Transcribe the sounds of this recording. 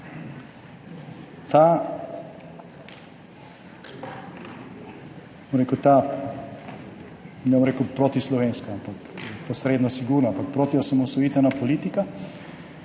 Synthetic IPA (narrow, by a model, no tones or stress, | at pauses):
t̪a | omɾeːkut̪a | nɛbomɾeːkupɾot̪islɔʋenskaampakpɔsɾeːd̪nɔsiɡuɾnaampak̚pɾoːt̪iosamɔsɔjiːt̪ɛnapoliːt̪ika